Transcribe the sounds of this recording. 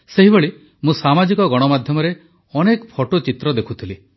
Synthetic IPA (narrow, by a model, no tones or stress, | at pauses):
seɦiboɭi | mũsamad͡ʒikɔɡɔɽ̃ɔmad̪ʱjɔmɔɾe | ɔnekpʰɔʈot͡ʃit̪ɾɔd̪ekʰut̪ʰili